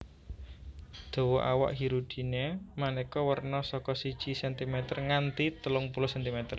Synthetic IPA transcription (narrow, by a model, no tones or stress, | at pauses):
d̪̥o̤wɔʔawa̰ʔɦiɾud̪̥i̤nemanekɔwərnɔsɔkɔsid̥ʒ̥isɛnt̪imɛt̪ərŋant̪it̪əlʊŋpulʊsɛnt̪imɛt̪ər